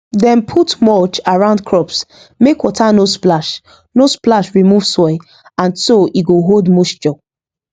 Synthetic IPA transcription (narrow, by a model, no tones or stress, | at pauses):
dɛ̃npʰutmɔt͡ʃaɹãʊ̃ndkʰɹɔps | mekwɔtanosplaʃ | nosplaʃɹimuv̥sɔɪ | ãnsoʔiɡoɦoldmosd͡ʒɔ